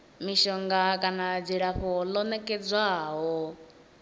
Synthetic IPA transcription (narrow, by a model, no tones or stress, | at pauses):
miʃɔŋɡakʼanad͡ziɺaɸɔlɔnɛkʼɛd͡zʷwaɦɔ